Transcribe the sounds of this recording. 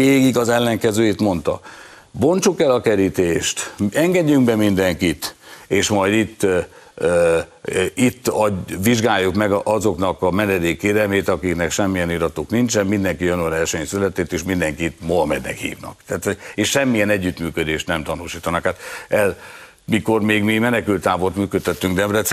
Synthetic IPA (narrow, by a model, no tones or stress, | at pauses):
eːɡiɡɒzɛlːɛŋkɛzøːit̪mo̞nt̪ɒ̰ | bo̞nt͡ʃukɛlɒkɛɾit̪eːʃt̪ɛŋɡɛɟːyŋkbɛmind̪ɛŋkit̪eːʃmɒjd̪it̪ː | it̪ːɒʋiʒɡaːjːukmɛɡɒzo̞knɒkɒmɛnɛd̪eːkːeːɾɛlmeːt̪ɒkiknɛkʃɛmːijɛniɾɒt̪oːknint͡ʃɛnmind̪ɛŋkijønoɾɛrʃɛɲsylɛt̪eːt̪eːʃmind̪ɛŋkit̪moɒmɛd̪nɛ̰khḭːvnɒ̰kt̪aːt̪hoɟeʃʃɛmːijɛnɛɟːyt̪myːkød̪eːʃt̪nɛmt̪ɒnuːʃiːt̪ɒnɒkhat̪ɛl | miko̞rmeːɡmimɛnɛkylt̪ːaːbo̞rt̪myːkøt̪ːɛt̪ːyŋɡd̪ɛmrɛt̪